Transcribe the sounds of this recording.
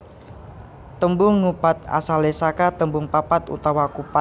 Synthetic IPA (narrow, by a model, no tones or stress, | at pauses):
t̪əmbʊŋːupat̪̚a̰salesakat̪əmbuŋpapat̪ṵt̪awakupa